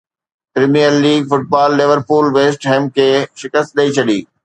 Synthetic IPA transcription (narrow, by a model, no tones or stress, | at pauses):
pɾiːmijəlːiːɡfʊʈ̚baːlːɪʋəɾpuːlʋeːsʈɦẽːmkʰeːʃɪkəst̪̚ɗɐit͡ɕʰɐɗiː